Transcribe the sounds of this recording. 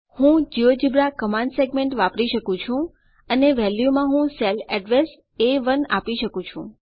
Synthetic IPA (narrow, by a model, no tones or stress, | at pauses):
hũd͡ʒiod͡ʒibɾakəmãɳɖseɡmẽɳʈʋapɾiʃəkũt͡ʃʰũ | əneʋɛljumãɦũsɛlɛɖʋes | eʋəna̰piʃəkũt͡ʃʰũ